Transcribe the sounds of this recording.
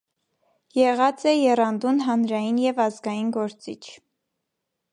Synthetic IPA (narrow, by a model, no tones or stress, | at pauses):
jɛʁɑt͡sɛjɛrɑnd̪unɦɑnɾɑjinjɛvɑzɡɑjinɡɔɾt͡sit͡ʃʰ